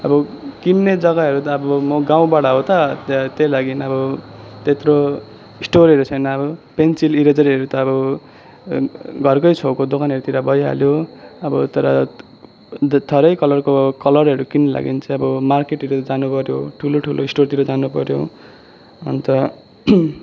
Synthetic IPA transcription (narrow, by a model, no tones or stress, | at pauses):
ʌbʌkinːed͡zʌɡaɦʌɾut̪ʌːbʌmʌɡaw̃baɽaɦot̪ʌt̪ejlaɡinʌbʌt̪et̪ro | isʈoɾʌɾut͡sʰʌjnʌːbʌpensiliɾed͡zʌɾiɦʌɾut̪ʌːbʌ | ɡʱʌrkʌjt͡sʰokod̪okʰanʌɾut̪iɾabʌjɦa̰ljoʌbʌt̪ʌɾʌ̰ | t̪ʰʌɾʌjkʌlʌrkokʌlʌrʌɾukinːela̰ɡḭnt͡sʌ̃ʌbʌmarkeʈiɾod͡zanupʌɾjoʈʰuloʈʰuloisʈort̪iɾod͡zanupʌɾjo̰ | ʌ̰nt̪ʌ